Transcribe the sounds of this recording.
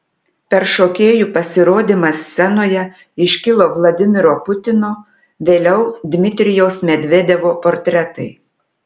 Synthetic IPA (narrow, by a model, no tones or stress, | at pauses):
pʲɛɾʃoːkʲeːjupɐsʲɪɾoːd̪ʲimɐsːʲɛnoːjɛ | ɪʃʲkʲɪlˠoːʋlˠɐd̪ʲɪmʲɪɾoːpʊt̪ʲɪnoː | ʋʲeːlʲɛʊd̪ʲmʲɪt̪ʲɾʲɪjɛʊsmʲɛd̪ʲʋʲed̪ʲɛʋoːpoɾʲt̪ʲɾʲɛt̪ɐɪ